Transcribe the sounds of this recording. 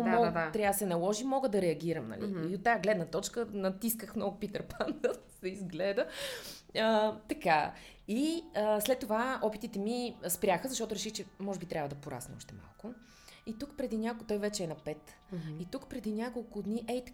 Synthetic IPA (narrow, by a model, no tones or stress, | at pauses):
mɔt̪ɾʲavəsɛnɐlˠɔʒimɔɡəd̪ɐɾɛɐɡʲiɾəmnɐ̰lḭiot̪ːaɡlɛd̪nət̪ɔt͡ʃkənɐt̪iskəxmnɔɡʊpit̪əɾpand̪əsɛizɡlɛd̪ə | ət̪ɐka | iəslɛt̪ːovaɔpit̪it̪ɛmispɾʲaxəzɐʃtɔt̪ʊɾɛʃixt͡ʃɛmɔʒɛbit̪ɾʲavəd̪ɐpoɾa̰snɛ̰ɔ̰ʃt̪ɛma̰lˠkʊ | it̪ukpɾɛd̪inʲakt̪ɔjvɛt͡ʃɛɛnɐpɛt̪ | it̪ukpɾɛd̪inʲjakolˠkʊd̪niʔɛjt̪